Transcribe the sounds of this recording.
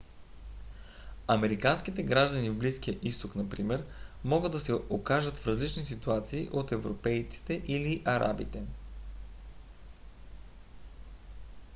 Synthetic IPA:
ɐmɛɾikanskit̪ɛɡɾaʒd̪ənivbliskijəʔist̪oknɐpɾimɛɾmɔɡɤd̪ɐsɛokaʒət̪fɾɐzlit͡ʃnisit̪uat̪siːʔot̪ɛvɾopɛjt̪si̥t̪ɛʔiliʔɐɾa̰bḭt̪ɛ

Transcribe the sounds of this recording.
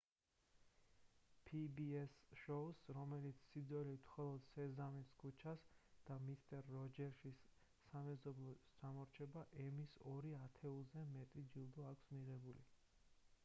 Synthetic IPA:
pʰibiɛsʃɔsɾɔmɛlit̪sʰsid̪zɛlimχɔlˠɔd̪sɛzamiskʰut͡ʃʰasd̪̥amist̪ʼɛɾːɔd͡ʒɛɾʃisː | amɛzɔblˠɔd͡ʒamɔɾt͡ʃʰɛbaʔɛmisɔɾiat̪ʰɛulˠzɛmɛt̪ʼid͡ʒilˠd̪ɔakʰsmiʁɛbuli

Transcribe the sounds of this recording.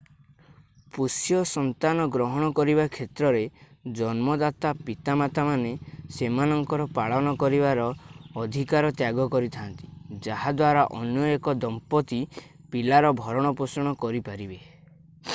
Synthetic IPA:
pusjɔsɔnt̪anɔɡɾɔɦɔɽ̃ɔkɔɾibakʰet̪ɾɔɾed͡ʒɔnmɔd̪at̪apit̪amat̪amanesemanɔŋkɔɾɔpaɭɔnɔkɔɾibaɾɔːd̪ʱikaɾɔt̪jaɡɔkɔɾit̪ʰant̪i̥d͡ʒaɦad̪waɾaʔɔnjɔekɔd̪ɔmpɔt̪i | pilaɾɔbʱɔɾɔɽ̃ɔpɔsɔɽ̃ɔkɔɾipaɾibe

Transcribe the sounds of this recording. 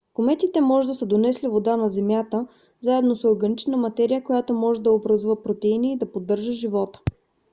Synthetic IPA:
komɛt̪it̪ɛmɔʒɛd̪ɐsəd̪onɛslivod̪anɐzɛmjat̪ə | zaɛd̪nosoɾɡɐnit͡ʃnəmɐt̪ɛɾijəkojat̪omɔʒɛd̪ɐobɾəzuvəpɾot̪ɛiniːd̪ɐpod̪ːɤɾʒəʒivɔt̪ə̥

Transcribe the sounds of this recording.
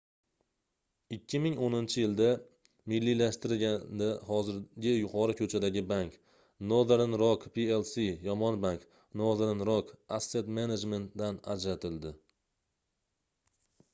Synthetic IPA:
ɪkʲʰːɪmɪŋonɪnt͡ʃʰɪjɪld̪a | mɪlːilaʃt̪ɪɾɡʲad̪ahɒzɪɾɡʲɪjʊqʰɒɾʊkʰɵt͡ʃʰad̪aɡʲɪbaŋk | nod̪ɾnɾɒkpʰielsijɒmɒnbaŋk | nod̪ɾnɾokasːe̞t̪mened͡ʒme̞nt̪̚d̪ana̰d͡ʒɾat̪ʰɪld̪ɪ

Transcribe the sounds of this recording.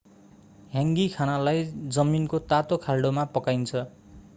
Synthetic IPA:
ɦjãŋɡikʰanalajd͡zʌminkot̪at̪okʰalɖomapʌkajnt͡sʰʌ

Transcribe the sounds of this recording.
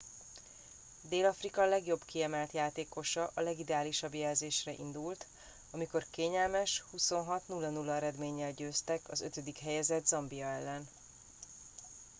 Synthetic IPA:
d̪eːlɒfrikɒlɛɡjo̞bkiɛmɛlt̪jaːt̪eːko̞ʃɒʔɒlɛɡid̪ɛaːliʃɒbjɛlzeːʃrɛʔḭnd̪ult̪ | ɒmiko̞rkeːɲɛlmɛʃhuso̞nɦɒt̪nulːɒnulːɒɛɾɛd̪meːɲːɛlɟøːst̪ɛkɒzø̞̰t̪ø̞d̪ikɦɛjɛzɛd̪zɒmbiɒɛlːɛn

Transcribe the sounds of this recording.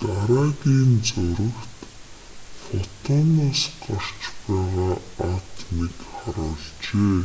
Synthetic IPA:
t̪aɾaːɣiːnt͡sʊɾə̆kt̪ | fɔt̪ʰɔnaːsɢar̥t͡ɕpæːʁaːat̪nekχaɾʊːɮt͡ɕeː

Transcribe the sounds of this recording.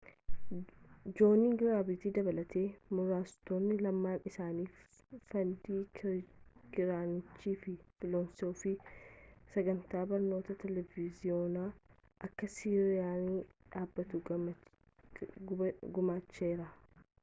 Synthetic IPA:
d͡ʒo̞ːniːɡɪɾaːbɪt̪iːd̪ɐbɐlɐt̪ʰe̞ːmʊɾaːst̪oːnːɪlɐmːaːnɪsaːniːf | fɐnd̪iː | kɪɾaːnɪt͡ʃːiːfɪfɪloːnsoːfi | sɐɡɐnt̪aːbɐɾno̞ːt̪ɐt̪ɛlɛvɪzɪoːnaː | ʔɐkːɐsiːɾɪɪjaːniːᶑaːbːɐt̪ʊ | ɡʊmaːt͡ʃːe̞ːɾɐ

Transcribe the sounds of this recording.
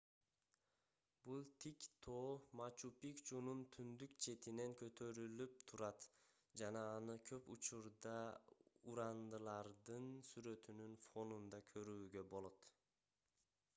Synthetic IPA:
bulˠt̪ʰikt̪ʰoːmɑt͡ʃupikt͡ʃununt̪ʰynd̪ykt͡ʃʰe̞t̪ine̞ŋkʲʰøt̪ʰø̞ɾylyp̚t̪ʰuɾɑt̪ | d͡ʒɑnɑːnɯkʲʰø̞put͡ʃuɾd̪ɑuɾɑnd̪ɯlˠɑɾd̪ɯnsyɾø̞t̪ynynfo̞nund̪ɑkʲʰøɾyːɡø̞bo̞lˠo̞t̪

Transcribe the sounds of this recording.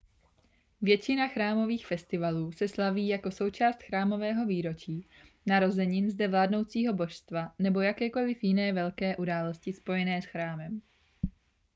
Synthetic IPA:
vjɛt͡ʃɪnaxɾaːmo̞viːxfɛst̪ɪvaluːsɛslaviːjako̞so̞wt͡ʃaːst̪xɾaːmo̞vɛːɦo̞viːɾo̞t͡ʃiː | naɾo̞zɛɲɪnzdɛvlaːdno̞wt͡siːɦo̞bo̞ʃst̪vanɛbo̞jakɛːko̞lɪfjɪnɛːvɛlkɛːʔudaːlo̞scɪspo̞jɛnɛːsxɾaːmɛm

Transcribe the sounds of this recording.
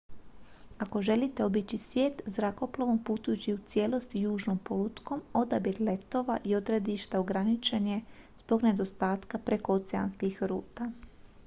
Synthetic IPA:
ako̞ʒe̞lit̪e̞o̞bit͡ɕisʋje̞ːt̪zɾako̞plˠaʋompuːt̪ujut͡ɕiut̪sje̞ːlo̞st̪ijuːʒnompo̞lut̪ko̞mo̞d̪abit̪le̞t̪o̞ʋa̰ʔio̞d̪ɾed̪iʃt̪aoɡɾanit͡ʃe̞ɲezbo̞ɡne̞d̪o̞st̪aːt̪kapɾe̞ko̞ot̪sea̰nskixɾuːt̪a

